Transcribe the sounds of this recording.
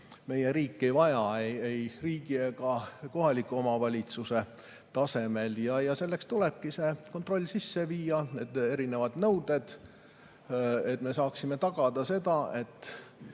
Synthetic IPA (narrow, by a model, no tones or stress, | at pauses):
me̞je̞ɾiːkːˑe̞jvɑjɑejejriːɡ̥ieɡɑko̞ɦɑlikːˑuomɑvɑlʲit̪suse̞ | t̪ɑse̞me̞ljɑjɑse̞lːe̞kst̪ule̞b̥̚kise̞ko̞nt̪ˑro̞lʲːsisːe̞viːjɑneːd̪̥e̞ɾine̞vɑd̪nɤwd̪̥e̞d̪̥ | e̞t̪ːˑme̞sɑːksime̞t̪ɑɡ̥ɑd̪̥ɑse̞d̪ɑe̞t̪ːˑ